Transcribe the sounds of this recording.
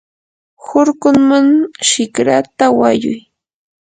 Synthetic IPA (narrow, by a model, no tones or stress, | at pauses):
xʊɾkʊŋmaŋʃɪkɾat̪awajʊ̰j